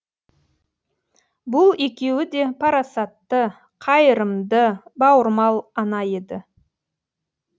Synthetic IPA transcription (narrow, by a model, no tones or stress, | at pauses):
bʊlˠe̞kʲe̞wɪd̪e̞pʰɑɾɑsɑt̪ːə | qʰɑjəɾəmd̪əbɑwəɾmɑlˠɑnɑje̞d̪ɪ